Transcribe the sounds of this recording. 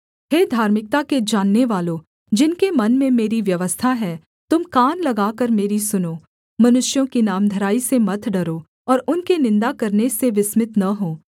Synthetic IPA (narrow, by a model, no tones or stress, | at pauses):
ɦeːd̪ʱaːɾmɪk̚t̪aked͡ʒaːnːeʋaːlo | d͡ʒɪnkemɐnmẽmeːɾiʋjɐʋəst̪ʰaɦɛː | t̪ʊmkaːnlɐɡaːkəɾmeːɾisʊnoː | mɐnʊʃjõkinaːmd̪ʱɐɾaːisemɐt̪ʰɖɐɾoː | ɔːɾʊnkenɪ̃nd̪akɐɾneseʋɪsmɪt̪nɐɦoː